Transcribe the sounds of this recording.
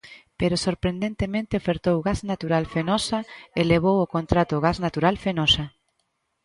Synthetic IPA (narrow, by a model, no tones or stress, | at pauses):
peɾosoɾpɾend̪ẽnt̪emẽnt̪ɪofeɾt̪owɣaznat̪uɾalfenɔsɐeleβ̞owokont̪ɾat̪ʊɣaznat̪uɾalfenɔsɐ